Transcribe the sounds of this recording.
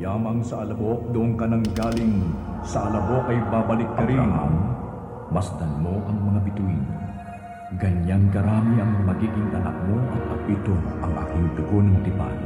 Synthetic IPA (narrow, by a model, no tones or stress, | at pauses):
laːmɐŋsɐɐlɐbo̞k̚d̪ʊʔoŋkɐnɐŋɡaːlɪŋ | sɐʔɐlɐbo̞kɐjbabɐlɪkːɐɾḭna̰n | mɐsd̪ɐnmo̞ʔɐŋmɐŋabɪt̪uino | ɡɐɲjaŋkɐɾaːmiɐŋmɐɡiːɡɪŋʔɐnɐ̰k̚monɐt̪̚pɐpit̪oʔɐŋʔa̰ːkɪŋd̪ʊɡonɐŋt̪ɪpa̰j